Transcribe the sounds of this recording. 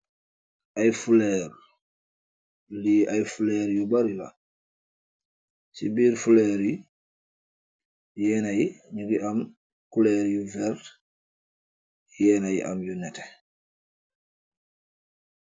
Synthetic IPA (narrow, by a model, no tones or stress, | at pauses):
ʔajfulɛːɾ | juliʔajfulɛːɾjubaɾula̰ | sibiːɾfulɛːɾji | jɛːnajiɲuɡiʔam | kulɛːɾjuvɛɾ | jɛːnajḭʔa̰mjunɛtɛ